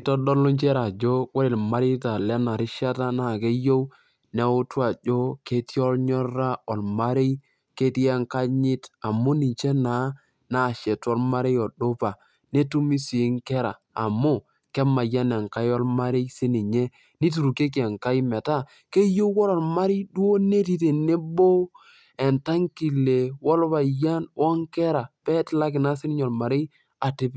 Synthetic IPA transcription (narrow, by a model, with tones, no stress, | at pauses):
tɔ˦dɔ˦lʊ˦ɲt͡ʃɛ˦ɾa˨d͡ʒo˦ko˦ɾe˨lma˦ɾɪ˦ta˨lɛ˦na˨ɾɪ˦ʃa˦ta˦na˦˨ke˦jo˦w | nɛ˦ʊ˦twa˨d͡ʒo˦ke˦tjɔ˦lɲɔ˦ɾa˦ɔ˨lma˦ɾe˦j | ke˦ti˦ɛ˦ŋka˦ɲɪ˦ta˨mʊ˦ni˨ɲt͡ʃɛ˦na˨˦ | na˦˨ʃɛ˨twɔ˦lma˦ɾe˦jɔ˨ɗo˦pa˨ | ne˦tu˦mi˦si˨˦ŋkɛ˦ɾaː˨mʊ˦ | kɛ˦ma˨ja˦nɛ˨ŋka˦jɔ˦lma˦ɾɪ˦sɪ˦ni˨ɲe˦ | ni˦tu˨ɾu˨ke˦k̬i˨ɛ˨ŋka˦i˦mɛ˨ta˦ | ke˦jo˦kɔ˦ɾɔ˨lma˦ɾɪ˦dwo˦ne˦ti˦te˨ne˦bo˦ | ɛ˨nta˦ŋki˨le˨wɔ˦lβa˨ja˦nwɔ˦ŋkɛ˦ɾa˨pɛ˦tla˦k̬ɪ˨na˦sɪ˦nɪ˦ɲɔ˨lma˨ɾɪ˦ | a˨ti˦p